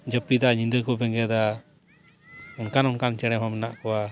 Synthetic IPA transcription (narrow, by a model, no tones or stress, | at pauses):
d͡ʒəpːid̪aɲind̪əkɔbɛŋɡɛd̪a | unkanɔnkant͡ʃɛɽ̃ɛɦɔmɛnaʔkɔwa